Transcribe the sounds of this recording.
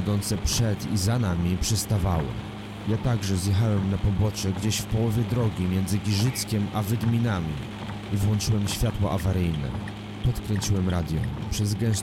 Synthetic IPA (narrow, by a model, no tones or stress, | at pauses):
ɛd̪ɔnt̪sɛpʂɛt̪izanamʲipʂɛst̪avawɛ̰ | jat̪aɡʐɛzjɛxawɛmnapɔbɔt͡ʂɛɡd͡ʑeɕfpɔwɔvʲjɛd̪ɾɔɡʲimʲjɛnd̪zɘɡʲiʐɘt̪skʲɛmavɘd̪mʲinamʲi | ivwɔnt͡ʂɘwɛmɕfʲjat̪wɔʔavaɾɘjnɛ̰ | pɔt̪kɾɛɲt͡ɕiwɛmɾad̪ʲjɔ̰̃pʂɛzɡɛ̃s